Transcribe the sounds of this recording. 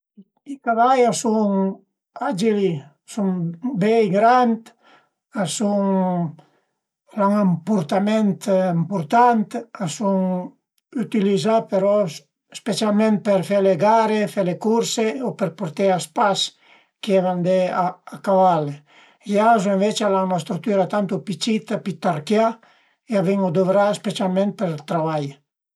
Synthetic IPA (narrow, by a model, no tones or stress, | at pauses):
ikavajasuŋ | ad͡ʒeli | suŋbɛjɡɾant̪ | asuŋ | laŋampuɾt̪ament̪mpuɾt̪ant̪asuŋ | yt̪ilizapeɾɔ | spet͡ʃjalmẽnt̪̚peɾfeleɡaɾefelekuɾseopeɾpoɾt̪easpas | keɛvand̪eaːkavale | ejasueɱvet͡ʃalaunast̪ɾuk̚t̪yɾat̪ant̪upit͡ʃit̪apit̪aɾkja | eaviŋod̪ovɾaspet͡ʃjalmẽnt̪̚peɾt̪ɾaβaj